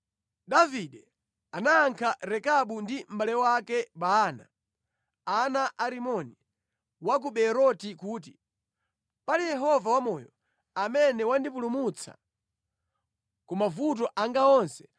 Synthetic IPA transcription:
daviɗɛ | anaːŋkʰaɾɛkaɓundim̩balɛwakɛɓaːna̰ | anaʔaɾimɔni | wak̬uɓɛɾɔtikuːti | palijɛɦɔvawamɔjɔ | amɛnɛwandip̬ulumut͡sʰa̰ | kumavut̬ɔʔaŋɡaɔnsɛ̥

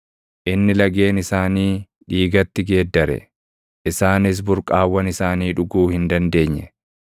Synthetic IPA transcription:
ʔɪnːɪlɐɡe̞ːnɪsaːniː | ᶑiːɡɐt̪ːɪɡe̞ːd̪ːɐɾɛ̰ | ʔɪsaːnɪs̬bʊɾkʼaːwːɐnɪsaːniːᶑʊɡuːhɪnd̪ɐnd̪e̞ːɲːɛ

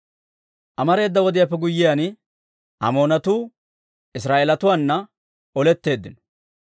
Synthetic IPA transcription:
ʔɐmɐɾe̞ːd̪ːɐwɔd̪ɪjapːɛɡʊjːɪjan | ʔɐ̰mo̞ːnɐt̪uː | ɪs̬ɾaːʔeːlɐt̪ʊwaːnːɐ | ɔlɛt̪ːe̞ːd̪ːɪnɔ̥

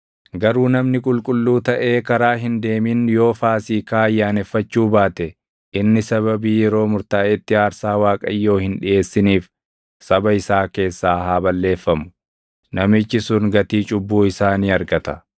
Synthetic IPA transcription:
ɡɐɾuːnɐmnɪkʼʊlkʼʊlːuːt̪ɐʔe̞ːkɐɾaːɦɪnd̪e̞ːmɪnjo̞ːfaːsiːkaːɐjːaːnɛfːɐt͡ʃːuːbaːt̪ɛ | ʔɪnːɪsɐβɐbiːjɛɾo̞ːmʊɾt̪aːʔɛt̪ːɪaːɾsaːwaːkʼɐjːo̞ːhɪnᶑɪʔe̞ːsːɪniːf | sɐbɐɪsaːke̞ːsːaːɦaːbɐlːe̞ːfːɐmʊ̥ | nɐmɪt͡ʃːɪsʊŋɡɐt̪iːt͡ʃʼʊbːuːɪsaːniːɐɾɡɐt̪ɐ

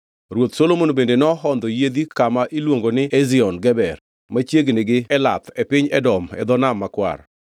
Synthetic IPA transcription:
ɾwot̪solomonbendenɔɦɔnd̪ɔjed̪ikamaʔilwoŋɡonɪeziɔnɡɛbɛr | mat͡ʃjeɡnɪɡɪɛla̰t̪ɛpɪɲɛdɔmɛ̰d̪ɔnamːakwa̰ɾ

